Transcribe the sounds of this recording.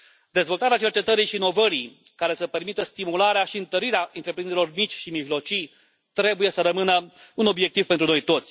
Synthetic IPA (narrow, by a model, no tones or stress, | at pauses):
d̪e̞zvo̞lt̪aɾeat͡ʃe̞rt͡ʃe̞t̪əɾiʃiːno̞vəɾij | kaɾe̞səpe̞rmit̪əst̪imulaɾeaʃiɨnt̪əɾiɾeaʔɨnt̪ɾe̞pɾind̪eɾilo̞rmit͡ʃʲʃimiʒlo̞t͡ʃij | t̪ɾe̞buje̞səɾəmɨnəuno̞bje̞k̚t̪ivpent̪ɾuno̞jt̪o̞t̪sʲ